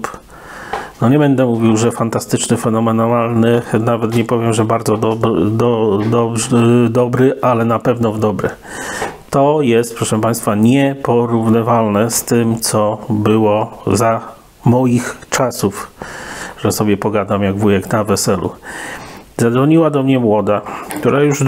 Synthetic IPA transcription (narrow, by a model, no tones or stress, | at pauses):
nɔɲɛbɛnd̪ɛmuvʲiwʐɛfant̪ast̪ɘt͡ʂnɘfɛnɔmɛnɔnalnɘnavɛt̪ɲɛpɔvʲjɛmʐɛbaɾd̪zɔd̪ɔd̪ɔd̪ɔbʐd̪ɔbɾɘʔalɛnapɛvnɔvd̪ɔbɾɛ̰ | t̪ɔjɛst̪̚pɾɔʂɛmpaj̃st̪faɲɛpɔɾuvnɘvalnɛst̪ɘmt̪sɔbɘwɔza | mɔjixt͡ʂasuf | ʐ̥ɛsɔbʲjɛpɔɡad̪amjaɡvujɛknavɛsɛlʔṵ | zad̪vɔɲiwad̪ɔmɲɛmwɔd̪akt̪uɾajuʐ